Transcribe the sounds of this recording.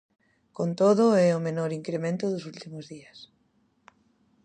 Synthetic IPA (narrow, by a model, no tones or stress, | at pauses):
kont̪oðʊɛomenoɾiŋkɾemẽnt̪ʊðʊsult̪imʊzðias